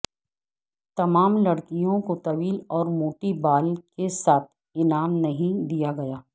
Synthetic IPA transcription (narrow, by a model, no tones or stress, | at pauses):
t̪ɐmaːmlɐɽkijõkot̪ɐʋiːlɔːɾmoːʈibaːlkesaːt̪̚ʰ | ɪnaːmnɐɦĩd̪ijaɡɐjaː